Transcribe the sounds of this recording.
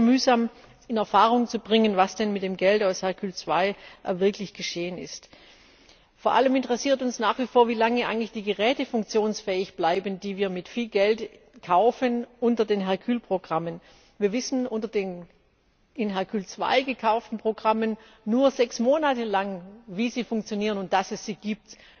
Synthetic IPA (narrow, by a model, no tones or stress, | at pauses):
myːzam | ɪnɛɐfaːʁ̞ʊŋt͡subʁɪŋənvasd̥ɛnmɪt̚d̥eːmɡɛltaʊshɛɐkʰyːlt͡sv̥aɪvɪɐklɪçɡ̥əʃeːənɪ̰st | foːɐʔaləmɪntəʁɛsiːɐtʊnsnaːχv̥ifoːɐviːlaŋəʔaɪɡŋ̩ntlɪçd̥iːɡəʁɛːtəfʊŋk̚t͡sjoːnsfɛːɪçb̥laɪbən̩diːviːɐmɪtfiːlɡɛlt | kʰaʊfənʔʊntɐdeːnɦɛɐkʰyːlpʁ̥oɡʁamən | viːɐvɪsn̩ʔʊntɐdeːn | ɪnɦɛɐkʰyːlt͡sv̥a̰ɪɡəkʰaʊftn̩pʁ̥oɡʁamənː | uːɐzɛksmoːnatəlaŋviːziːfʊŋkt͡sjoniːʁənʊnt̚d̥asɛsz̥iːɡ̥iːp̚t